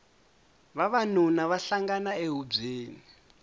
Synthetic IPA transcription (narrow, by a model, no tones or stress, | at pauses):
βaβanunaβaɬaŋɡanaeɦub͡ʐeːni